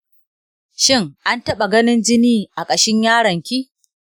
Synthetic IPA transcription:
ʃɪ˦ŋʔa˦ntɐ˦ɓa˨ɡɐ˦nɪ˦nd͡ʒɪ˦niː˦ʔa˨kʼɐ˨ʃɪ˦ɲjaː˦ɽɐ˨ŋkʲiː˦

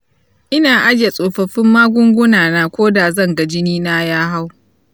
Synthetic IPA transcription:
ʔɪ˦naː˨ʔa˦d͡ʒe˨sʼoː˨ɸɐ˨ɸɪ˦mːaː˦ɡʷʊ˦ŋɡʷʊ˦naː˨naː˦kʷoː˦da˨zɐ˦˨ŋɡa˨d͡ʒɪ˦niː˦naː˦jaː˦ɦa˦w

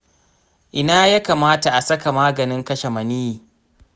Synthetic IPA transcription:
ʔɪ˨naː˦ja˦kaː˨maː˦ta˨ʔa˨sɐ˦ka˨maː˦ɡɐ˨nɪ˦ŋkɐ˦ʃe˨mɐ˨niː˦jiː˨

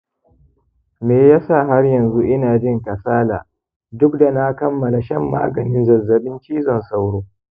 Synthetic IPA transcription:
meː˨jaː˦sa˦˨ɦa˦rjɐ˨nzu˦ʔɪ˦naː˨d͡ʒɪ˦ŋkɐ˨saː˦la̰ː˨ | dʊ˦kda˨na˦kɐ˦mːɐ˨la˨ʃɐ˦˨mːa̰ː˦ɡɐ˨nɪ˦nzɐ˨zːɐ˨ɓɪ˦nt͡ʃiː˦zɔ˨nsa˦wɽoː˦

